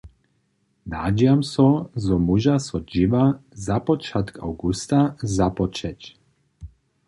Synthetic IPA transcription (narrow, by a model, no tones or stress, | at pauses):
naːd͡ʒjamsɔzɔmuʒasɔd͡ʒiʋazapɔt͡ʃat̪ka̰wɡust̪azapɔt͡ʃɛc